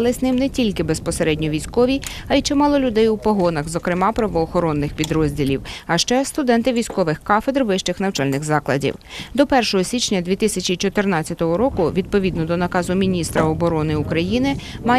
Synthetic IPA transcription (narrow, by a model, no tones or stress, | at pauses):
lˠɪznɪmnɛtʲilʲkɪbespɔseɾɛdʲnʲɔʋʲijsʲkɔʋʲi | ɐit͡ʃɛmɑlˠɔlʲʊd̪ɛjupɔɦɔnɐxzɔkɾɪmɑpɾɐʋɔːxɔɾɔnːɪxpʲid̪ɾɔzʲdʲilʲḭwɐʃt͡ʃɛst̪ʊd̪ɛnt̪ɪʋʲijsʲkɔʋɪxkɑfed̪rʋɪʃt͡ʃɪxnɐwt͡ʃɑlʲnɪɣzɑklˠɐ̰dʲḭwd̪ɔpɛrʃɔɦɔsʲit͡ʃnʲɐd̪ʲʋʲit̪ɪsʲɐt͡ʃʲit͡ʃɔt̪ɪrnɑt͡st͡sʲjɐt̪ɔɦɔɾɔkʊʋʲid̪̚pɔʋʲid̪nɔd̪ɔnɐkɑzʊmʲinʲist̪ɾɐɔbɔɾɔnɪukɾɐjinɪ | mɑ